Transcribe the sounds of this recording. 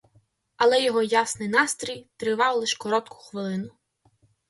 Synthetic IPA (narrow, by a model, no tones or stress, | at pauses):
ɐlˠɛjɔɦɔjɑsnɪjnɑst̪ɾʲijt̪ɾɪʋɑwlˠɪʃkɔɾɔt̪kʰʊ̥xʋɪlˠɪnʊ